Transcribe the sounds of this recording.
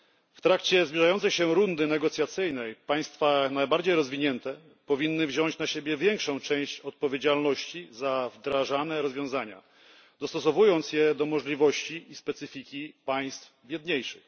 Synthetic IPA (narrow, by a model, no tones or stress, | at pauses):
ft̪ɾakt͡ɕɛzbʲiʐajɔnt̪sɛjɕɛɾund̪ɘnɛɡɔt̪sʲjat̪sɘjnɛjpaj̃st̪fanajbaɾd͡ʑejɾɔzvʲiɲɛnt̪ɛ | pɔvʲinːɘvʑɔɲt͡ɕnaɕebʲjɛvʲjɛŋkʂɔ̃w̃t͡ʂɛ̃w̃ɕt͡ɕɔt̪̚pɔvʲjed͡ʑalnɔɕt͡ɕizavd̪ɾaʐanɛɾɔzvjɔ̃w̃zaɲa̰ | d̪ɔst̪ɔsɔvujɔnt̪sjɛd̪ɔmɔʐlʲivɔɕt͡ɕiːspɛt̪sɘfʲikʲipaj̃st̪fbʲjɛd̪ɲejʂɘx